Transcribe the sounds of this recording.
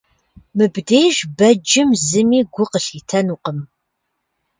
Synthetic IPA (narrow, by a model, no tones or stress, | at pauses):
mɨbdejʒbɐd͡ʒɪmzɨmiːɡʷʊqəɬiːtʰɐnuːqəm